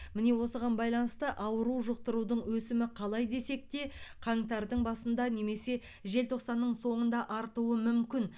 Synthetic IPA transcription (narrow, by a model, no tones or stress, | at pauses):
mɪne̞wo̞səʁɑnbɑjlˠɑnəst̪əʔɑwəɾuwʒəq̚t̪əɾud̪əɴwɵsɪmɪqʰɑlˠɑjd̪e̞se̞k̚t̪e̞qʰɑɴt̪ɑɾd̪əɴbɑsənd̪ɑne̞me̞se̞ | ʒe̞lt̪ʰo̞qsɑnːəɴso̞ɴənd̪ɑʔɑɾt̪uwəmʏmkʲɪn